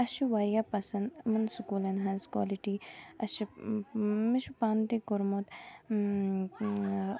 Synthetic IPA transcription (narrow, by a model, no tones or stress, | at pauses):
ɐʃiʋaːɾjapɐsɐnd̪mɐnsukuːlɐnɦazkwa̰ːliʈiɐʃi | miʃupaːnt̪ikoɾmot̪